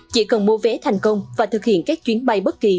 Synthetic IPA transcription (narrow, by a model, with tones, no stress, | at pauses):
t͡ɕḭ˧˥kə˨˩nmu˧ve˨˦t̪ʰa˨˩jŋ̟kə˧wŋ͡mvaː˨˩t̪ʰɨ˨˩k̚hḭ˧˨ənkaː˦˥k̚t͡ɕwi˨˦ənɓa˧jɓə˦˥t̚ki˨˩